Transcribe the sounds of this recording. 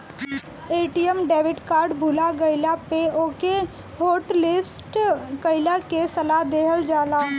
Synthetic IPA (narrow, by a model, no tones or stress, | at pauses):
eːʈijəmɖeːʋɪʈkaːɾɖbʱuːlaɡəɪlapeoːke | ɦoːʈlɪfsʈkəɪlakesəlad̪eːɦəld͡ʒaːlaː